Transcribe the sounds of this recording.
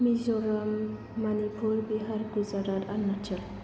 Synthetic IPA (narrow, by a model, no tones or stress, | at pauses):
mizɔɾamː | anipʰuɾbiɦaɾɡuzaɾatanːat͡ʃʰə